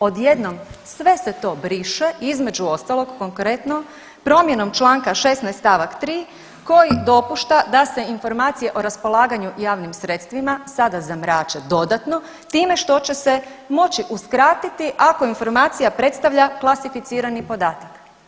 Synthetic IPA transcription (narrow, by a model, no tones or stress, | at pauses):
o̞d̪je̞d̪no̞msʋe̞se̞t̪o̞ːbɾiʃe̞ʔizme̞d͡ʑuo̞st̪alˠo̞ɡkoŋkɾe̞t̪no | pɾo̞mjeno̞mt͡ʃlˠaːŋkaʃe̞snajst̪aʋakt̪ɾiː | ko̞jid̪o̞puʃt̪ad̪ase̞info̞ɾmaːt̪sije̞ʔo̞ɾaspo̞lˠaːɡaɲujaːʋnimsɾe̞t̪st̪ʋimasad̪azamɾaːt͡ʃe̞d̪o̞d̪at̪no̞ | t̪iːme̞ʃt̪o̞t͡ɕe̞se̞mo̞t͡ɕiʔuskɾaːt̪it̪iʔako̞info̞ɾmaːt̪sijapɾe̞t̪st̪aʋʎaklˠasifit̪siːɾanipo̞d̪aːt̪ak